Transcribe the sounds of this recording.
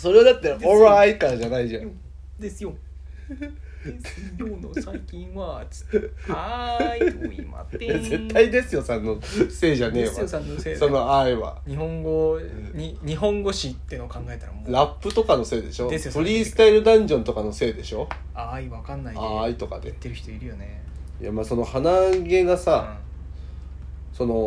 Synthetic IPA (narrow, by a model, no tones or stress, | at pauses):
so̞ɾe̞βad̪at̪ːeoɾaikaɾaʑanaiʑã | d̪eso | ĩḁ | jaze̞t̪ːaid̪e̞sɨjo̞sãnːo̞se̞ːʑane̞ːβaaanso̞no̞aiβa̰ɲihõŋɡo | ɲiɲiɦõ̞ŋɡo̞ɕit̪ːenokãŋɡaet̪aɾamoɾapːɯ̟t̪o̞kano̞se̞ːd̪e̞ɕo̞d̪espɯ̟ɾʲiːsɨ̥t̪aiɾɯ̟d̪ãɲ̟d͡ʑõ̞nt̪o̞kano̞se̞ːd̪e̞ɕo̞ | aiβakanːaiait̪o̞ka̰d̪e̞t̪ːeɾɯ̟çi̥t̪oiɾɯ̟jone | ja̰maːso̞no̞hanaɡe̞ɡasa | so̞no̞